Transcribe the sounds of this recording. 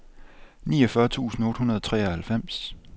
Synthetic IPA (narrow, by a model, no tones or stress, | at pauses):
nḭːɒfɶɐt͡sʰṵːsn̩ɔ̽ːd̥hunɐðˠɒt͡sʰʁɛ̰ːɐhælfem̰s